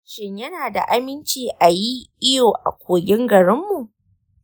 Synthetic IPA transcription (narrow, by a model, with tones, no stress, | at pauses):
ʃɪ˨ɲjɐ˦naː˨da̰˨ʔa˦mɪ˦nt͡ʃiː˨ʔa˨ji˦ʔɪ˦joː˨ʔa̰˨kʷoː˨ɡʲɪ˦ŋɡɐ˨ɾɪ˦mːu˨ʔ